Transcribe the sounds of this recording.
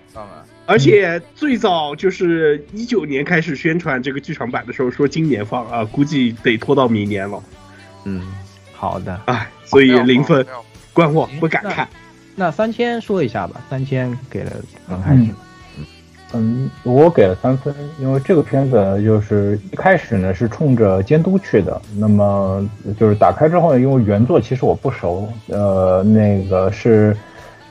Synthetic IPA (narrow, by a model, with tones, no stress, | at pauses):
ə˞˧˥t͡ɕʰjɛ˨˩˦t͡swe˥˩ɪt͡sɑ˥˩ʊt͡ɕjo˥˧ʊʂɻ̩˥˩i˥t͡ɕjo˨˩ʊnjɛ˧˥nkʰa˥ɪʂ̬ɻ̩˨˩ɕɥɛ˥nʈ͡ʂʰwa˧˥nʈ͡ʂɤ˥˩ɡə˩t͡ɕy˥˩ʈ͡ʂʰɑ˧˥ŋpa˨˩nd̪ə˦ʂɻ̩˧˥xo˥˧ʊʂwɔ˥t͡ɕi˥ŋnjɛ˧˥nfɑ˥˩ŋə˧ku˥t͡ɕi˥˩t̪e˨˩ɪt̪ʰwɔ˥t̪ɑ˥˩ʊmi˧˥ŋnjɛ˧˥nlə˧ | n̩˥˩ | xɑ˨˩ʊd̪ə˦a˥˩ɪswwɔ˧˥i˨˩li˧˥ŋfə˥˧nkwa˥nwɔ˥˩pu˥˩ka˨˩nkʰa̰˥˩n | na˥˩sa˥nt̪ʰjɛ˥nʂwɔ˥i˧˥ɕja̰˥˩bɐ̰˩sa˥nt̪ʰjɛ˥nke˨˩ɪlə̰˦kə˧˥ŋkʰ | n̩˥˩˥ | wɔ˧˥ke˨˩ɪlə˦sa˥nfə˥ni˥nwe˥˧ɪʈ͡ʂɤ˥˩ɡə˩pʰjɛ˥nfə˨˩n˩t͡ɕjo˥˧ʊʂɻ̩˥˧i˥˩kʰa˥ɪʂɻ̩˨˩nə˦ʂɻ̩˥˧ʈ͡ʂʰʊ˥˩ŋʈ͡ʂə˩t͡ɕjɛ˥nt̪u˥t͡ɕʰy˥˩d̪ə̰˩na˥˩mə˩t͡ɕjo˥˧ʊʂɻ̩˥˩t̪a̰˨˩kʰa˥ɪʈ͡ʂɻ̩˥xo˥˩ʊn˩˦i˥nwe˥˩ɪɥɛ˧˥nt͡swɔ˥˩t͡ɕʰi˧˥ʂ̬ɻ̩˧˥wɔ˨˩pu˥˩ʂo˧˥ʊə˧ne˥˩ɪɡə˩ʂɻ̩˥˩